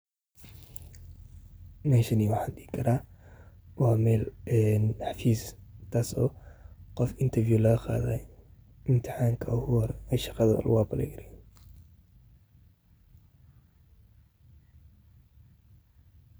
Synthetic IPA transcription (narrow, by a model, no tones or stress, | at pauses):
nɛːʃɐniːwɑħɑːnɗiɡɪkʰɐɾaː | wɑːmɛːlɛnħɑfiːst̪ʰaːsɔ̰ːqɔfɪnt̪ʰɐrfjulɐɣɐqa̰ːðɛ | ʔɪmt̪ʰɪ̥ħaːŋkʰɐʔʊhwɾɛʃɑqɑðɐ̰l̰wɑːbɐlɛ̰ɡɐɾɛ